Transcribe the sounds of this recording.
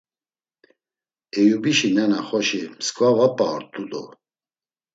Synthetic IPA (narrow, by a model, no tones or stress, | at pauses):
ɛjubiʃinɛnaχɔʃimskʼvavapʼaɔ̰ɾt̪ʰʼud̪ɔ